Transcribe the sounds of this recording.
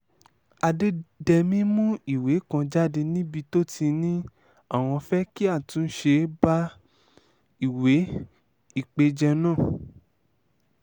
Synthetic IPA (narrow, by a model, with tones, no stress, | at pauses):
a˧de˦dɛ˧mĩ˦mũ˦i˦˨we˨˦kã˧d͡ʒa˦de˧nĩ˦bi˧to˦ti˧nĩ˦ | a˦˨w̃ɔ̃˧fɛ˦ki˦a˦˨tũ˨˦n̩˦ʃe˧ba˦ | i˦˨we˨˦ | i˦˨k͡pe˧d͡ʒɛ˧nãː˦˨